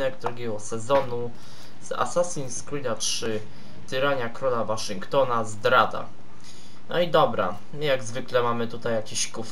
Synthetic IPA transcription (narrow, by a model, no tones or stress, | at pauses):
ɛɡd̪ɾuɡʲɛɡɔsɛzɔnu | z̥a̰sasʲinskɾilatʂɘ | t̪ɘɾaɲakɾɔlavaʂɨŋkt̪ɔnazd̪ɾad̪a̰ | nɔid̪ɔbɾa̰ | mɘjaɡzvɘklɛmamɘt̪ut̪ajːakʲeɕkuf